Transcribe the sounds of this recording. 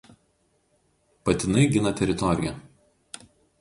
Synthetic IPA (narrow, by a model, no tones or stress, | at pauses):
pɐt̪ʲɪnɐɪɡʲɪnɐt̪ʲɛɾʲɪt̪ɔɾʲɪjɛ